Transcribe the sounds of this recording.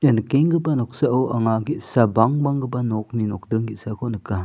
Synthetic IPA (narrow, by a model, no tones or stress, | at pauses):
jankeŋɡəbanɔk̚saɐwʔɐŋaɡit̚sabaŋbaŋɡɯbanɔk̚ninɔk̚dɾɯŋɡit̚sakʰɔnɯka